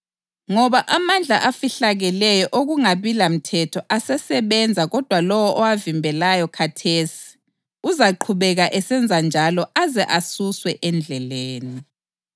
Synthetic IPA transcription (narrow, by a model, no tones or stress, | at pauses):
ŋɔβaʔamand͡ɮʱa̰ʔafiɬaɣɛlɛjɔʔoɣuŋaβilam̩tʰɛtʰɔʔasɛsɛβɛnd͡zʱaɣɔd̥ʱwalɔwɔʔɔwavimbʱɛlajɔkʰatʰeːsi̥ | uzaǃʰuβɛɣaʔɛsɛnd͡zʱand͡ʒʱalɔazɛʔasuswɛʔɛnd͡ɮʱɛleːni